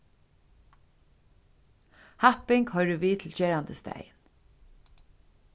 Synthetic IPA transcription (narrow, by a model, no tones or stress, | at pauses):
hapɪŋkhœɹəʋiːt̪ʰɪl̩t͡ʃeːɾand̪əst̪æ̰jn